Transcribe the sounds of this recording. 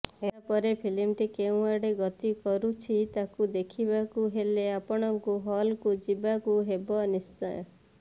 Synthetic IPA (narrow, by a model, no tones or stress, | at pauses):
eapɔɾepʰilimʈikew̃aɽeɡɔt̪ikɔɾut͡ʃʰit̪akud̪ekʰibakuɦeleapɔɽ̃ɔŋkuɦɔlkud͡ʒibakuɦebɔnisɔ̰j